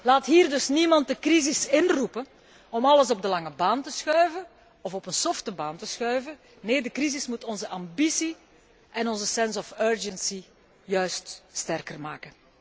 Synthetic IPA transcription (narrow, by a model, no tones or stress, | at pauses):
laːtɦiːrdɵsnimɑnt̚dəkrizɪsɪnrupə | ɔmɑləsɔb̚dəlɑŋəbaːntəsxœɥvən | ɔfɔpənsɔftəbaːntəsxœɥvə | neːdəkrizɪsmutɔnzəʔɑmbisi | ʔɛnɔnzəsɛnsɔføːɹd͡ʒənsi | jœɥststɛrkərmaːkə